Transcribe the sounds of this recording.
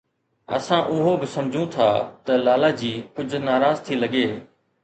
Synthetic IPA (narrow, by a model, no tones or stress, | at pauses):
ə̰sãːʔʊɦobɪsɐmd͡ʑʱũt̪ʰaːt̪əlaːlaːd͡ʑiːkʊd͡ʑʱnaːɾaːzt̪ʰiːlɐɠeː